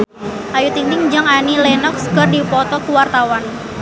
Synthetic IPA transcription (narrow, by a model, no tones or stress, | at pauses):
ʔajut̪int̪ɪŋd͡ʒəŋanilɛnɔkskərdipɔt̪ɔkuwart̪awan